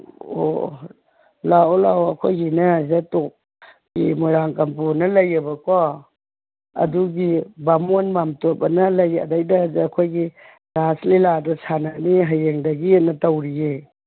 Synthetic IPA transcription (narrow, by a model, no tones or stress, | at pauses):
o̰ | laolawɐkʰojɡinɐzetok̚ | ɡḭmuɾaŋkɐmpunɐlɐjɐbɐkɔ | ɐ̰duɡibamonmamtop̚ɐnɐlɐjɐ̰dajdɐzeːkʰojɡi | ɾasliladɐsʰananiɦajeŋdɐɡietnɐtɐwɾije